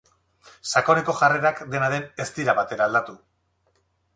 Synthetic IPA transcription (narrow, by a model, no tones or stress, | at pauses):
sako̞ne̞ko̞ʝare̞ɾakd̪e̞naðe̞ne̞st̪iɾaβat̪e̞ɾaːld̪at̪u